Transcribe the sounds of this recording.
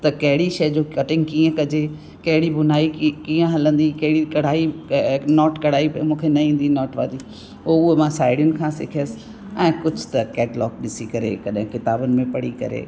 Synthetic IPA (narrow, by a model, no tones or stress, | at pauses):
t̪ɐkɐɦɪɽiʃɐːd͡ʑoːkɐʈɪ̃ŋɡkiːə̃kɐd͡ʑe | kɐɦɪɽibʊn̤aːikiːə̃ɦɐlə̃nd̪ikɐɦɪɽikɐɽ̤aːinɔːʈkɐɽ̤aːimũːkʰenɐĩːn̆d̪inɔːʈʋa̰ːli | oʊemãsaːɪɽjʊnɪ̆kʰãːsɪkʰijəsɪ̥ | ɛ̃ːkʊd͡ʑʱʊ̥t̪ɐkɛːʈlɔːkɗɪsikɐɾḛkɐɗɦɪ̃kɪt̪aːbənɪ̆mẽpɐɽ̤ikɐ̰ɾḛː